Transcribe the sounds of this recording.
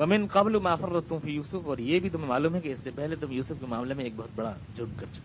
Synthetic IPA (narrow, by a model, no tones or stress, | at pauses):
ʋɐmɪnqɐblumaːfɐrɐt̪ːʊmfiːjuːsʊfɔːɾjebʱit̪̬ʊmẽmaːluːmɦɛ̃keɪsːepɛɦlet̪ʊmjuːsʊfkemaːmlemẽeːk̚bɐɦʊt̪̚bɐɽa | d͡ʒʱʊɖ̚kɐɾt͡ʃʰo̥